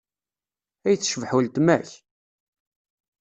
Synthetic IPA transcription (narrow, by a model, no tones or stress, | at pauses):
æjθːʃvħult̪mæ̰ç